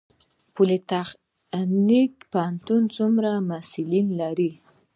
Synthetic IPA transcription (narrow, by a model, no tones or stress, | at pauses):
pulet̪aχ | nikpaant̪unt͡sumɾamasilinlaɾi